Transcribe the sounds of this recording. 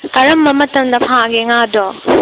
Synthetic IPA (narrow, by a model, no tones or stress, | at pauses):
kɐɾɐmːɐmɐtɐmd̪ɐpʰaɡiŋado